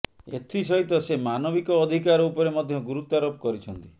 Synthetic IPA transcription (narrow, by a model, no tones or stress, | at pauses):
ḛt̪ʰisɔɦit̪ɔsemanɔbikɔːd̪ʱikaɾɔupɔɾemɔd̪ʱjɔɡuɾut̪aɾopɔkɔɾit͡ʃʰɔnt̪i